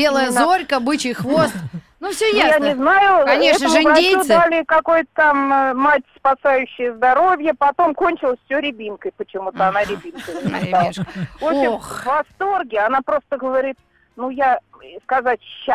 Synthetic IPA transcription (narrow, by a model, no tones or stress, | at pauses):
bʲelˠəjəzorʲkəbɨt͡ɕɪjxvo̞st̪ | nufsʲojajanʲɪznajʊkɐnʲeɛtnəʐmvɐdeud̪alʲɪkɐkojt̪ə̥t̪ammatʲspɐsajʉɕːɪjəzd̪ɐɾo̞vʲjəpɐt̪o̞mkonʲt͡ɕɪlˠəsʲfsʲɵɾʲɪbʲinkəjpət͡ɕɪmut̪əɐnaɾʲɪbʲinkənɪaiʂvopɕɪmxvvɐst̪orɡʲɪɐnapɾo̞st̪əɡəvɐɾʲit̪̚ | nujaskɐzatʲɕːa